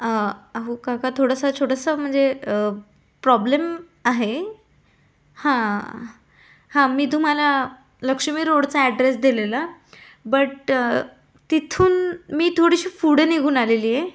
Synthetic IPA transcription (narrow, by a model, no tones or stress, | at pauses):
əaɦukãkat̪ʰoɽəsat͡ɕʰoɽəsəm̤əɳd͡zeə | pɾɔblem | aɦe | hã | hãmiːt̪̬um̤ala | ləkʂəmiːɾoɽt͡saɛɖɾesd̪ilela | bəʈ | t̪it̪ʰuːnmiːt̪ʰoɽiɕiːfuɽeneɡʱuːnaleliːje